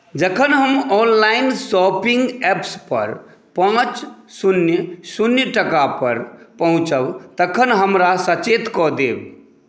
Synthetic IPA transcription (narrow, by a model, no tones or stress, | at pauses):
d͡ʒəkʰənɦəmɔːnlaːɪnsɔːpɪ̃ŋɡɛːpspə̰ɾ | pãːt͡ʃsʊnjəsunjəʈəkapəɾpəɦʊ̃t͡ʃəbt̪əkʰənɦəmɾasət͡ʃeːt̪kɔd̪eːb